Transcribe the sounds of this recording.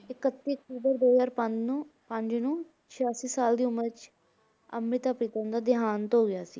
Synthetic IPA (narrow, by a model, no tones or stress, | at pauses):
ɪkət̪ːiːək̚ʈuːbəɾd̪oːzaːɾpəd͡ʒnːpəɲd͡ʒnõː | t͡ʃʰɪjaːsiːsaːld̪iːʊməɾt͡ʃ | ə̰mɾɪt̪aːpɾiːt̪ə̃nd̪aːd̪ɪɦaːnt̪ːɦoːɡɪjaːsḭː